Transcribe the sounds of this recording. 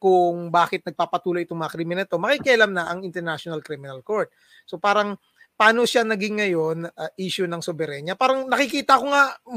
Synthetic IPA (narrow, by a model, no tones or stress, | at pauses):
kʊŋbaːkɪt̪̚nɐɡ̚paːpɐt̪uːlojʔɪt̪oŋmɐŋɐkɾiːmɪnɐlt̪o̞mɐkiːkɛʔɐlamnɐʔɐŋɪnt̪ɛɹnaʃonɐlkɾimɪnɐlkoɹt̪̚ | so̞paːɾɐŋ | paːnoʃanɐɡɪŋːɐjo̞nɐʔiːʃʊnɐŋsobɛɾɛɲɐpaːɾɐŋnɐkɪkiːt̪ɐʔɐkoŋa